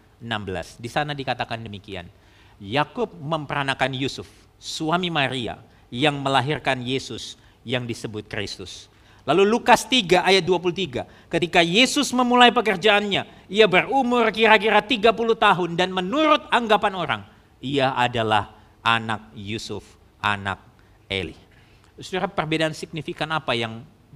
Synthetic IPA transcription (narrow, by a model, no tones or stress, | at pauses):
ənambəla̰sdisanadikat̪akandəmikia̰n | jakʊp̚məmpəɾanakanjusʊf | suamimaɾia̰ | jaŋməlaɦirkanjesʊs | jaŋdisəbʊt̪̚kɾḭst̪ʊ̰s | lalulukast̪iɡaʔajat̪̚duap̬ulut̪iɡa | kət̪ikajesʊsməmulajpəkərd͡ʒaanɲa | iabərumʊrkiɾak̬iɾat̪iɡapuluht̪aɦʊndanmənuɾʊt̪̚aŋɡapanoɾa̰ŋ | iaʔadala̰h | ʔana̰k̚jusʊf | ʔa̰na̰k̚ | ḛlḭ | sudaɾapərbedaːnsik̚nifikanapajaŋ